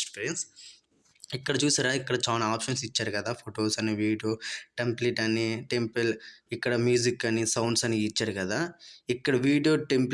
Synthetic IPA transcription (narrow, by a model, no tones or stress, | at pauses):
pːɾjɐns | ikːɐɽɐt͡ʃuːsaːɾaːikːɐɽɐt͡ʃaːlaaːpʃɐnsit͡ʃːaːɾukɐd̪aːpʰoʈoːsɐniʋiːɖjoːʈɐmpleʈɐniʈe̞mpelikːɐɽɐmjuːzikːɐnisɐwɳɖsɐniːt͡ʃːaːɾukɐd̪aːikːɐɽɐʋiːɖijoːʈempl